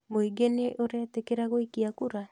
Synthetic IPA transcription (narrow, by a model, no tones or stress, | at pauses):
moiɡeneʔoɾeatekeɾaɣoikiakuɾa